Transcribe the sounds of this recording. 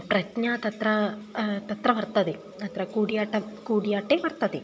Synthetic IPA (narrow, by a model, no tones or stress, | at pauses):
prɐtɲaːt̪ɐt̪rɐt̪ɐt̪rɐʋɐrt̪ːɐðe | ɐt̪rɐkuːɽijaːʈːɐkuːɽijaːʈːeʋɐrt̪ːɐðe